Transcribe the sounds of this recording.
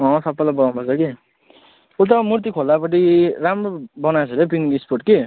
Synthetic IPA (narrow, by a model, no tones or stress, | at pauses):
ʌ̃sʌpːalabʌɡanpʰʌt͡sʰʌki | ut̪ʌmurt̪̬ikʰolːapʌʈ̬iramrobʌnasʌɾepiŋisporʈ̚ki